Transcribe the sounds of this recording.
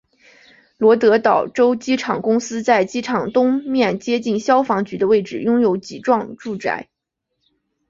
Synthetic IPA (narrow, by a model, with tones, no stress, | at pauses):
lwɔ˧˥t̪ɤ˧˥t̪ɑ˨˩ʊʈ͡ʂo˥ʊt͡ɕi˥ʈ͡ʂʰɑ˨˩ŋkʊ˥ŋsɹ̩˥t͡sa˥˩ɪt͡ɕi˥ʈ͡ʂʰɑ˨˩ŋt̪ʊ˥ŋmjɛ˥˩nt͡ɕjɛ˥t͡ɕi˥˩nɕjɑ˥ʊfɑ˧˥ŋt͡ɕy˧˥d̪ə˧we˥˩ɪʈ͡ʂɻ̩˨˩jʊ˥ŋjo˧˥ʊt͡ɕi˨˩ʈ͡ʂwɑ˥˧ŋʈ͡ʂu˥˩t͡sa̰˥˩ɪ